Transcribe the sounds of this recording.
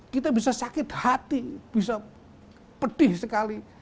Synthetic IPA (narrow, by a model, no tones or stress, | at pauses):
kit̪abisasakɪt̪hat̪ib̥is̬a | pəɖɪhsəkali